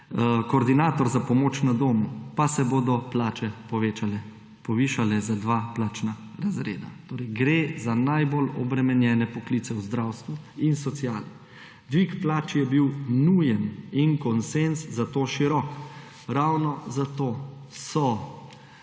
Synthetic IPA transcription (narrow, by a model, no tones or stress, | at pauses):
kɔːɾd̪inaːt̪ɔɾzapɔmoːt͡ʃnad̪oːmupasɛboːd̪ɔplaːt͡ʃɛpɔʋeːt͡ʃalɛ | pɔʋiːʃalɛzad̪ʋaːplaːt͡ʃna | ɾazɾḛːd̪a̰t̪oːɾɛjɡɾeːzanajbolɔbɾɛmɛnjɛːnɛpɔkliːt̪sɛwzd̪ɾawst̪ʋu | insɔt̪sjaːli | d̪ʋikplaːt͡ʃjɛbiwnujɛninkɔnsenszat̪oːʃiɾɔk | ɾawnɔzat̪oː | sɔ